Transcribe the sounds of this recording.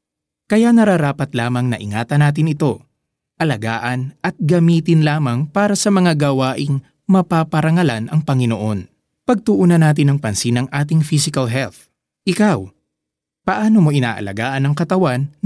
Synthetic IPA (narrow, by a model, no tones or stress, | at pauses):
kɐjanɐɾaɾaːpɐt̪laːmɐŋnɐ̰ʔɪ̰ŋaːt̪ɐnaːt̪̬ɪnɪt̪o̞ | ʔɐlɐɡaːʔɐnʔɐt̪̚ɡɐmiːt̪ɪnlaːmɐŋpaːɾɐsɐmɐŋaɡɐwaːʔɪŋ | mɐpapɐɾɐŋɐlanʔɐŋpɐŋɪnoʔo̞n | pɐɡ̚t̪ʊʔuːnɐnaːt̪ɪnɐŋpɐnsinɐŋʔaːt̪̬ɪŋfisɪkɐlɦɛlθ | ʔɪkaw | pɐʔaːno̞mo̞ʔɪna̰ːʔɐ̰lɐ̰ɡaːʔɐnɐŋkɐt̪ɐwan